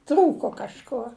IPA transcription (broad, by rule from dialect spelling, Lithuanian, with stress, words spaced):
ˈtruːkoː kɐʃˈkuɔ